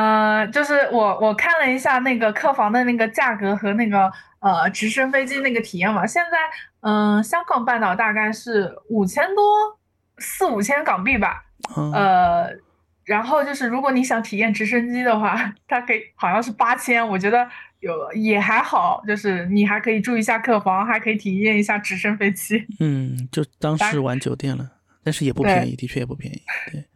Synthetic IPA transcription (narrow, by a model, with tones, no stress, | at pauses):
ə˧t͡ɕjo˥˧ʊʂɻ̩˥˩wɔ˨˩˦wʔɔ˨˩kʰa˥˩nlə˩i˧˥ɕja˥˧na˥˩ɪɡə˩kʰɤ˥˩fɑ˧˥ŋd̪ə˧na˥˩ɡə˩t͡ɕja˥˩kɤ˧˥xɤ˧˥na˥˩ɡə˩ | ə˧ʈ͡ʂɻ̩˧˥ʂə˥ŋfe˥ɪt͡ɕi˥na˥˩ɡə˩t̪ʰi˨˩jɛ˥˩nbɐ˩ɕjɛ˥˧nt͡sa˥˩ɪə˧˩ɕjɑ˥ŋɡɑ˨˩ŋpa˥˩nt̪ɑ˨˩ʊt̪a˥˧ka˥˧ɪʂɻ̩˥˩u˨˩t͡ɕʰjɛ˥nt̪wɔ˥ | sɹ̩˥˩u˨˩t͡ɕʰjɛ˥nkɑ˨˩ŋpi˥˩bɐ˩ | ə˧ | ɻa˧˥nxo˥˧ʊt͡ɕjo˥˧ʊʂɻ̩˥˩ɻu˧˥kwɔ˧˥ni˧˥ɕ̬jɑ˧˥ŋt̪ʰi˨˩jɛ˥˩nʈ͡ʂɻ̩˧˥ʂ̬ə˥nt͡ɕi˥d̪ə˨xwa˥˩t̪ʰa˥kʰɤ˧˥i˨˧˦xɑ˨˩ʊjɑ˥˧ʂɻ̩˥˩pa˥t͡ɕʰjɛ˥nwɔ˨˩t͡ɕɥɛ˧˥d̪ə˧jo˨˩ʊlə˧jɛ˨˩xa˧˥ɪxɑ˨˩˦ʊt͡ɕjo˥˧ʂɻ̩˥˩ni˨˩xa˧˥ɪkʰɤ˧˥i˨˩ʈ͡ʂu˥˩i˧˥ɕja˥˧kʰɤ˥˩fɑ˧˥ŋxa˧˥ɪkʰɤ˧˥i˨˩t̪ʰi˨˩jɛ˥˩ni˧˥ɕja˥˩ʈ͡ʂɻ̩˧˥ʂə˥nfe˥˩ɪt͡ɕi˥n̩˥˩t͡ɕjo˥˧ʊ˩t̪ɑ˥ŋʂɻɻ̩˥˩wa˧˥nt͡ɕjo˨˩ʊt̪jɛ˥˩nlə˩ | t̪nʂɻ̩˥˩jɛ˨˩pu˥t̪wepjɛɪ˧˥nḭ˧˥˩t̪i˧t͡ɕʰɥɛ˥˩ɛ˨˩pu˥˩pʰjɛ̰˧˥˩ni˧˥˩t̪we˥˩ɪ